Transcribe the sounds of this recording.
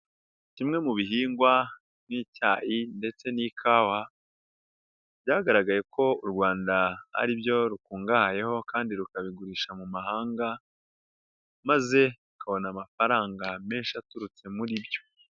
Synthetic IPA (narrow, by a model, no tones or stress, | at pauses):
cimŋe̞muβiɦiːŋɡwa | mŋiːcaːjinde̞t͡se̞nikʰaːwa | bjaːɡaɾaɡaje̞kʰo̞uɾɡwaːndaha̰ɾibjo̞ɾukuːŋɡahaje̞ho̞kaːndiɾukaβiɡuɾiːʃamumahaːŋɡa | maze̞ukʰaβo̞namafaɾaːŋɡame̞ːnʃatuɾut͡se̞muɾibjo̞̥